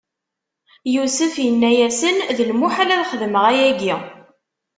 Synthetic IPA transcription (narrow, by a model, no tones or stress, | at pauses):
jusəfjənːæjæsənðəlmuħælæðχəðməʁæjæɡi